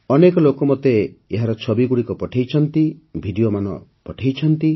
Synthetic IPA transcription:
ɔnekɔlokɔmɔt̪eːɦaɾɔt͡ʃʰɔbiɡuɽikɔpɔʈʰajt͡ʃʰɔnt̪ibʱiɖijomanɔ̰pɔʈʰajt͡ʃʰɔnt̪i

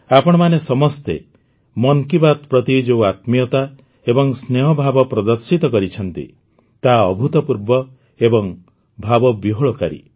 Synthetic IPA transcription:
apɔɽ̃ɔmanesɔmɔst̪ḛ | mɔŋkibat̪pɾɔt̪id͡ʒeat̪mijɔt̪a | ebɔŋsneɦɔbʱabɔpɾɔd̪ɔɾsit̪ɔkɔɾit͡ʃʰɔnt̪ḭ | t̪aɔbʱut̪ɔpuɾbɔ | ebɔŋ | bʱabɔbiɦoɭɔkaɾḭ

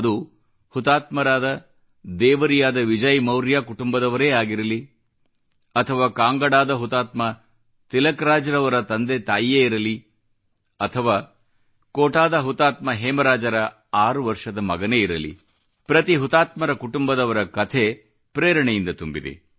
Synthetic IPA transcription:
ɐd̪u | hut̪aːt̪mɐɾaːd̪ɐ | d̪ɛːʋɐɾijaːd̪ɐʋid͡ʒɐjmɐwɾjaːkuʈumbɐd̪ɐʋɐɾe̞ːaːɡiɾɐli | ɐt̪ʰɐʋaːkaːŋɡɐɽaːd̪ɐɦut̪aːt̪mɐ | t̪ilɐkɾaːd͡ʒɐɾɐʋɐɾɐt̪ɐnd̪et̪aːjijeːiɾɐli | ɐt̪ʰɐʋaː | koːʈaːd̪ɐɦut̪aːt̪mɐɦeːmɐɾaːd͡ʒɐɾɐ | aːɾuʋɐɾʂɐd̪ɐmɐɡɐne̞iɾɐlḭ | pɾɐt̪iɦut̪aːt̪mɐɾɐkuʈumbɐd̪ɐʋɐɾɐkɐt̪ʰe | pɾeːɾɐɳejind̪ɐt̪umbid̪ḛ

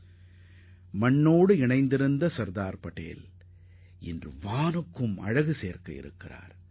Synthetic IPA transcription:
mɐɳːoːɽɯɪɳɐɪnd̪ɪɾɯnd̪ɐsɐɾd̪aːɾpɐʈːḛːjɪl | ɪ̰ndrɯ̰ʋaːnɯkːɯmɐ̰ɻɐɣɯseːɐɾkɐjɪ̰ɾɯ̰kːɪra̰ːɾ

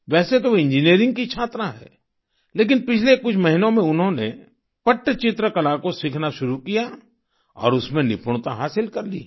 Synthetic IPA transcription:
ʋɛːset̪̬oɪ̃nd͡ʒiniːɾɪ̃ŋɡ̚kit͡ʃʰaːt̪ɾãɦɛ̰ː | leːkɪnpɪt͡ʃʰlekʊt͡ʃʰmɐɦɪnõmẽʊnɦõnḛ | pɐʈːt͡ʃɪt̪ɾəkɐlakosɪkʰnaʃʊɾukija | ɔ̰ːɾʊsmẽnɪpʰʊɽt̪aɦaːsɪlkɐɾlḭː

